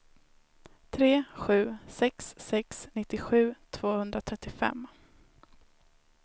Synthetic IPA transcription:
t̪ʰɾeːɧʉ̟ːsɛksːɛksnɪt̪ːɪɧʉ̟ːt̪ʰv̥oːhɵnd̪ɾat̪ʰɾɛt̪ːɪfɛ̰mː

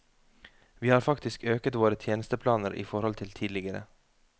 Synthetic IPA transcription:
ʋiːhɑːɾfɑkt̪ɪskøːkət̪ʋoːɾət̪ʰjeːnəst̪əpʰlɑːnəɾʔḭːfɔɾhɔlt̪ʰɪlt̪ʰiːd̪lɪɡəɾə̰

